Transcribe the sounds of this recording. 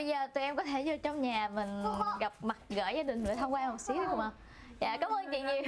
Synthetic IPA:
ə˧jzəː˨˩t̪u˨˩ʔɛ˧mkɔ˨˦t̪ʰe˧˩zɔ˧˩t͡ɕɔ˧wŋ͡mɲaː˨˩mï˨˩ŋ̟ɣa˨˩p̚ma˨˩t̚ɣəː˧˩jaː˧ɗï˨˩ŋ̟ɗɨ̰˧˩t̪ʰa˧wŋ͡mkwaː˧hɔ˨˩t̚si˨˦˨kʔa˧˩w | ja̰ː˧˨kaː˨˦mʔəː˧nt͡ɕḭ˧˨ŋɲi˨˩

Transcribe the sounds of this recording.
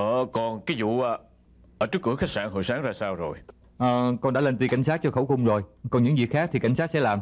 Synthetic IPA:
ʔəː˨˩kɔ˨˩nki˨˦zṵ˧˨ʔə˨˩ | ʔəː˧˩t͡ɕɨ˦˥kːɨ̰˧˩əxa˦˥k̚saː˧˩nɦo̰˧˨jsaː˨˦ŋzaː˧saː˧wzo˨˩j | ʔəː˨˩kɔ˧nɗa̰ː˧˥le˧nt̪i˧˩ka˧˩jŋ̟saː˦˥t̚t͡ɕɔ˧xə˧˩wxʊ˧wŋ͡mzo˨˩jkɔ˨˩nɲɨ̰˧˥ŋzḭ˨˩xaː˦˥k̪̚i˨˩ka˧˩jsa˦˥t̚sɛ̰˧˥laː˨˩m

